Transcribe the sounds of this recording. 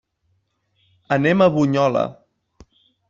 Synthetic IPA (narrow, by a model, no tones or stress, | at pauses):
ənɛməβuɲɔlə̰